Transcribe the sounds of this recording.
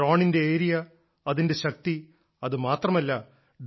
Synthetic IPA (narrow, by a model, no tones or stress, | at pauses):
oːɳinde̞eːɾijɐ | ɐðinde̞ɕɐk̚t̪i | ɐðɨmaːt̪rɐmɐlːɐ | ɖ